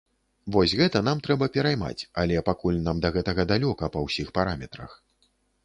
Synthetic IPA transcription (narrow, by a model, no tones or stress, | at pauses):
vɔsʲɣɛt̪ɐn̪amt̪ɾɛbɐpʲɛɾajma̰t͡sʲalʲɛpakulʲnamd̪ɐɣɛt̪ɐɣɐd̪alʲɔkɐpɐwsʲixpaɾamʲɛt̪ɾɐ̰x